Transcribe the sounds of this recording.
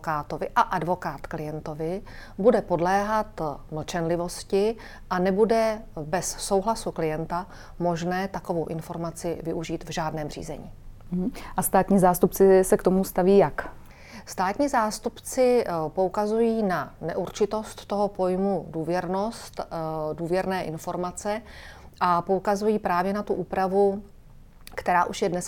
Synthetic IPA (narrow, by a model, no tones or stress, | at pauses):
kaːt̪ovɪʔaʔadvo̞kaːt̪klɪjɛnt̪o̞vɪbudɛpo̞dlɛːɦat̪not͡ʃɛnlɪvo̞scɪ | ʔanɛbudɛbɛsːo̞wɦlasuklɪjɛnt̪a | mo̞ʒnɛːt̪akovo̞wʔɪnfo̞ɾmat͡sɪvɪʔuʒiːt̪vʒaːdnɛːmr̝ḭːzɛ̰ɲḭː | ɦ̩ʔast̪aːt̪ɲiːzaːst̪upt͡sɪsɛkt̪omust̪aviːjak | st̪aːt̪ɲiːzaːst̪upt͡sɪpo̞ukazujiːnanɛʔuɾt͡ʃɪt̪o̞st̪ːo̞ɦopo̞jmuduːvjɛɾno̞st̪duːvjɛɾnɛːʔɪnfo̞ɾmat͡sɛ | ʔapo̞ukazujiːpɾaːvjɛnat̪uʔuːpɾavu | kt̪ɛɾaːʔuʃjɛdnɛs